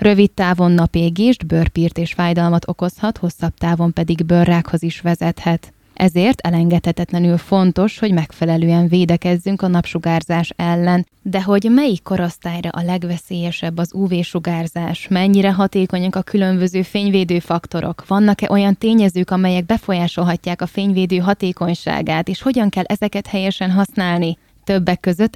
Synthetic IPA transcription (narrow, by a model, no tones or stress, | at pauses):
rø̞vit̪ːaːvo̞nːɒpeːɡeːʒd̪børpiːrt̪eːʃfaːjd̪ɒlmɒt̪ʰo̞ko̞shɒt̪ho̞sːɒb̚t̪aːvo̞mpɛd̪iɡbørːaːkho̞ziʃʋɛzɛt̪hɛt̪ | ʔɛzeːrt̪ʰɛlɛŋɡɛt̪hɛt̪ɛt̪lɛnylfo̞nt̪o̞ʃho̞ɟmɛkfɛlɛløːɛɱveːd̪ɛkɛzːyŋkɒnɒpʃuɡaːrzaːʃɛlːɛn | d̪ɛɦo̞ɟmɛjikːo̞ɾost̪aːjrɛ̰ʔɒlɛɡʋɛseːjɛʃɛbːɒzuːveːʃoɡaːrzaːʃmɛɲːiɾɛɦɒt̪eːko̞ɲɒkɒkylø̞mbøzøːfeːɲveːd̪øːfɒkt̪o̞ɾʔo̞̰kʋɒnːɒkɛʔo̞jɒnt̪eːɲɛzøːkɒmɛjɛɡ̚bɛfo̞jaːʃo̞lɦɒcːaːkɒfeːɲveːd̪øːɦɒt̪eːko̞ɲʃa̰ːɡaːt̪eːʃho̞ɟɒŋkɛlːʔɛzɛkɛt̪hɛjɛʃɛnɦɒsnaːlni | t̪øbːɛkːøzø̞t̪ː